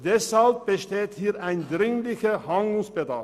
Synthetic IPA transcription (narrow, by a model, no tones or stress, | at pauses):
d̥ɛshalp̚b̥əʃteːthiːɐʔaɪndʁɪŋlɪçəhaŋɡlʊŋsb̥ədaɐf